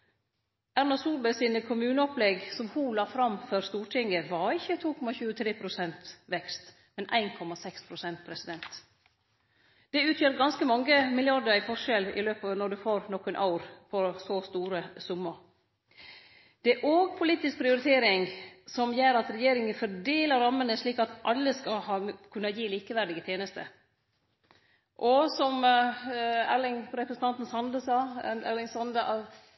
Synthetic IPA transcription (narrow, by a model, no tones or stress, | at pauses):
æɾnɑsuːlbəsiːnəkʰʊmʉːnəɔplɛɡsɔmhulɑːfɾɑmfœɾst̪uːʈʰɪŋɡəʋɑɾɪçːət̪ʰuːkʰɔmɑçʉːət̪ʰɾeːpʰɾʊsɛnt̪ʋɛkst̪ | mɛnʔæ̰ɪnkʰɔmɑsɛkspʰɾʊsɛnt̪̚pʰɾɛsɪd̪ɛnt̪ | d̪̥ɛʉːt̪ʰjøːɾɡɑnskəmɑŋːəmɪljɑɾd̪əɾɪfɔʂɛlɪ̰løːpɑːʋnɔɖʉfoːɾnɔkənʔɑʊɾpʰɔsoːst̪uːɾəsʊmːəɾ | d̪̥ɛæʔoːɡpʰʊliːt̪ɪsk̚pʰɾɪʊɾɪt̪ʰeːɾɪŋsɔmjeːɾɑt̪ɾɛjeːɾɪŋənfɔɖeːləɾɑmːənəʂɭiːkɑt̪ʔɑlːəskɑlhɑːmkʰʉnːɑjiːliːkəʋæɾɖɪɡət̪ʰjeːnəst̪ʰə̰ | ʔɔsɔm | ælɪŋɾɛpɾəsn̩t̪ʰɑnt̪n̩sɑnd̪əsɑːælɪŋsɑnd̪əɑ